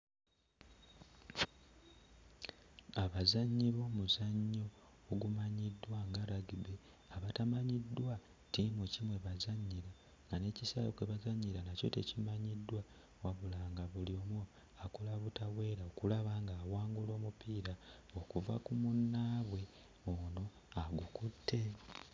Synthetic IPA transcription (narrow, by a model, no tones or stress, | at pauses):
aβazaɲːiβo̞ːmuzaɲːo̞ːɡumaɲidwaŋɡaɾaɡiβe | aβatamaɲidːwa | timucimwe̞βazaɲːiɾa | ŋɡane̞cisajokweβazaɲːiɾanaco̞̰tecimaɲidːwa | waβulaːŋɡaβulio̞mwo | akolaβutaβwe̞ːɾaokulaβaŋɡaːwaːŋɡulo̞ːmupiːɾao̞kuva̰kumunːaːβwe̞ | ono̞ | aɡukutʰːe̞